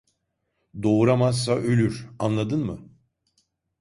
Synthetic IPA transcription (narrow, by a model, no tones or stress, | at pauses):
d̪o̞uɾamazːaʔølʲyɾanlˠad̪ɯnmɯ